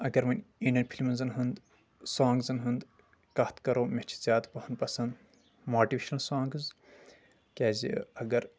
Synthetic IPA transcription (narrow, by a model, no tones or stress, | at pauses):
ɐɡɐɾmɐnʲiɳɖɐnpʰilmɐnzɨnɦɨnd̪ | saːŋɡzɨnɦɨnd̪ | kɐht̪kɐɾoːmet͡ʃʰi̥zʲaːt̪pɐhɐnpɐsɐnd̪ | moːʈiʋeːʃɐnsaːŋɡɨz | kʲeːzḭɐɡɐɾ